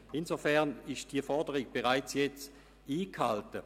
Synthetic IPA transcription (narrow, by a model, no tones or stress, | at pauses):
ɪnzofɛɐnɪʃd̥iəfɔɐdəʁiɡ̥̚b̥eʁaɪt͡sjɛt͡s | iːkʰhaltə